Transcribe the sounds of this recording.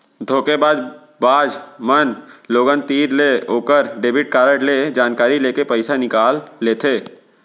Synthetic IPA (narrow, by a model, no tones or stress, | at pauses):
d̪ʱoːkebaːd͡ʒ | baːd͡ʒmənloːɡənt̪iːɾleoːkəɾɖeːbɪʈ̚kaːɾəʈled͡ʒaːnkaːɾileːkepəɪsanɪkaːlːeːt̪ʰeː